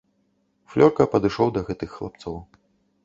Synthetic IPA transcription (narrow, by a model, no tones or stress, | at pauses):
flʲɔrkɐpɐd̪ɨʂɔwd̪ɐɣɛt̪ɨxːlˠa̰p̚t̪sɔw